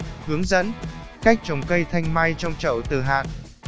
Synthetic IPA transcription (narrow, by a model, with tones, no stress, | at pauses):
hɨ˨˦əŋzə̰˧˥nka˦˥jk̚t͡ɕə˨˩wŋ͡mkə˧jt̪ʰa˧jŋ̟ma˧jt͡ɕɔ˧wŋ͡mt͡ɕə̰˧˩wt̪ɨ̰˨˩ɦa̰ː˧˨n